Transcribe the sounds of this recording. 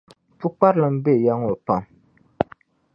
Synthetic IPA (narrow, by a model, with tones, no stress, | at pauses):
fu˦k͡pa˦ɾlɨ˨m̩˦be˦˨ja˦ŋo˨pa˨m